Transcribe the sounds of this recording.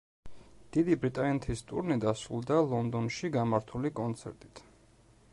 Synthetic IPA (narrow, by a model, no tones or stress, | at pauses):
d̪̥id̪ibɾit̪ʼaɛnt̪ʰist̪ʼṵɾnid̪asɾulˠd̪alˠɔnd̪ɔnʃiɡamaɾt̪ʰulikʼɔnt̪sʰɛ̰ɾt̪ʼi̥t̪ʰ